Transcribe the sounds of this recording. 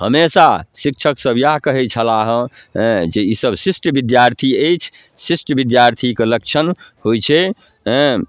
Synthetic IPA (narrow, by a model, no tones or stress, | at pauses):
həmesasik̚t͡ʃʰəksəbjaɦkəɦɛt͡ʃʰəlaɦə̃ | d͡ʒeisəbsisʈbid̪jaɾt̪ʰiejt͡ʃʰ | sisʈbid̪jaɾt̪ʰikelək̚t͡ʃʰənhojt͡ʃʰẽ